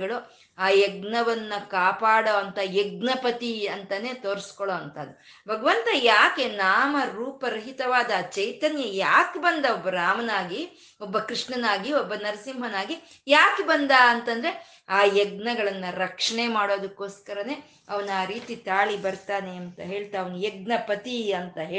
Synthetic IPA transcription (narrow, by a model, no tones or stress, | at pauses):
ɡɐɭu | aːjɛɡnɐʋɐnːɐkaːpaːɽoɐnt̪ɐjɛɡ̚nɐpɐt̪iɐnt̪ɐne̞ːt̪oːɾiskɔɭoːɐnt̪ɐd̪ːu | bʱɐɡɐʋɐnt̪ɐjaːke̞naːmɐɾuːpɐɾɐɦit̪ɐʋaːd̪ɐːt͡ʃɐjt̪ɐnjɐjaːkbɐnd̪ɐbːɐɾaːmɐnaːɡi | ɔbːɐkɾiʂɳɐnaːɡiɔbːɐnɐɾɐsimbʱɐnaːɡi | jaːkebɐnd̪aɐnt̪ɐnd̪ɐɾe | aːjɛɡ̚nɐɡɐɭɐnːɐɾɐkʂɐɳemaːɽo̞ːd̪ukːo̞ːskɐɾɐne̞ː | ɐʋɐnaːɾiːt̪it̪aːɭibɐɾt̪aːneɐnt̪ɐɦe̞ːɭt̪ɐɐʋɐnujeɡnɐpɐt̪iɐnt̪ɐɦeː